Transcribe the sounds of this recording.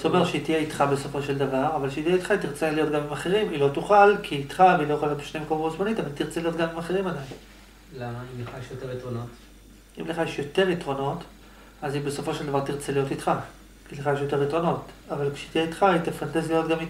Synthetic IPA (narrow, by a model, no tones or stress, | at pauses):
zome̞ʁʃeit̪ijeit̪χabe̞so̞fo̞ʃeld̪avaʁavalʃeit̪ieit̪χait̪iʁt͡salijo̞tɡamimaχe̞ʁimilo̞t̪uχalkʰiːtχaveilojexalijobeʃnemekomotuzmanitavalt̪iʁt͡selijo̞tɡamimaχeʁimadajim | lamaimleχajeʃjoteʁitʁonot | ḭmleχajeʃjo̞te̞ʁit̪ʁo̞no̞t | azibe̞so̞fo̞ʃe̞ld̪avaʁt̪iʁt͡selijo̞tit̪χa | kileχajeʃjo̞te̞ʁitʁo̞no̞tavalkʃeit̪ijeitχait̪afant̪ezilijo̞tɡamit